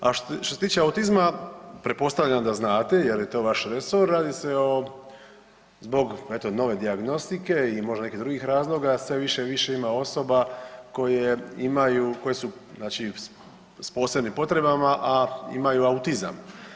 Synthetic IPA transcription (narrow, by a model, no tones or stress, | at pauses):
aʃt̪oset̪iːt͡ʃeaut̪izmapɾepo̞st̪aʋʎʲamd̪aznaːt̪e̞je̞ɾjet̪o̞ːʋaʃɾeso̞ɾːaːd̪ise̞o | zbo̞ɡe̞t̪o̞no̞ʋe̞d̪iaɡno̞st̪ike̞imo̞ʒd̪ane̞kid̪ɾuɡixɾaːzlˠo̞ɡasʋe̞ʋiʃe̞ʋiʃe̞imao̞so̞bako̞jeimajuko̞jesuznaːt͡ʃi | spo̞ːsebnimpo̞t̪ɾe̞bamaʔaḭmajuaut̪iza̰m